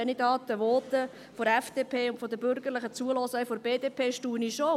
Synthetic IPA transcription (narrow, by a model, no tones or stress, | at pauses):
ɛnid̪ɑːt̪əʋɔːt̪ə | foɾɛfd̥eːpʰeːʊntfod̪əbʏɾɡəɾlɪχət͡suəlɔsɛfoɾbeːd̥̪eːpʰeːʃtuːniʃo